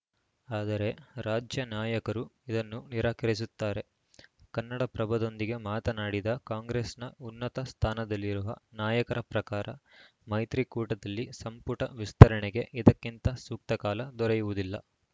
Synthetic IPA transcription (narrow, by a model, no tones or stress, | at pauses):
aːd̪ɐɾe̞ɾaːd͡ʒjɐnaːjɐkɐɾuid̪ɐnːuniɾaːkɐɾis̬ut̪ːaːɾe̞ | kɐnːɐɽɐpɾɐbʱɐd̪o̞nd̪iɡe̞maːt̪ɐnaːɽid̪ɐkaːŋɡɾeːsnɐunːɐt̪ɐst̪ʰaːnɐd̪ɐlːiɾuʋɐ̰naːjɐkɐɾɐpɾɐkaːɾɐ̰ | mɐjt̪ɾikuːʈɐd̪ɐlːisɐmpuʈɐʋist̪ʰɐɾɐɳeɡe̞ʔid̪ɐkːint̪ɐsuːk̚t̪ɐkaːlɐd̪ɔɾejuʋud̪ilːɐ̰